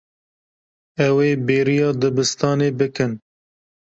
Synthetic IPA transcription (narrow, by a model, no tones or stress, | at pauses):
ɛweːbeːɾijɑːd̪ɨbɨst̪ɑːneːbɨkɨn